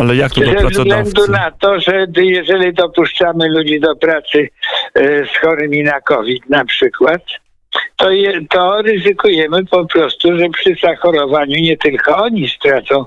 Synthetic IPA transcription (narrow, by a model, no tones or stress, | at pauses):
alɛjak̚t̪zɛvzɡlɛnd̪unat̪ɔʐɛbjɛʐɛlʲid̪ɔpuʂt͡ʂamɘlud͡ʑid̪ɔpɾat̪sɘ | sxɔɾɪmʲinakɔvʲit̪napʂɘkwat̪ː | ɔjt̪ɔɾɘzɘkujɛmɘpɔpɾɔst̪uʐɛpʂɘzaxɔɾɔvaɲuɲɛt̪ɘlkɔɔɲist̪ɾat̪sɔ̃w̃